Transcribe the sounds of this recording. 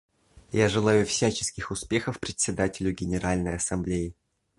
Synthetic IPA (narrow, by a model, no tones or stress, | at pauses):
jaʐɨlˠajʊfsʲæt͡ɕɪ̥skʲɪxʊspʲe̞xəfpɾʲɪt̪ʲsʲɪd̪atʲɪlʲʊɡʲɪnʲɪɾʔalʲnəjɐsɐmblʲejɪ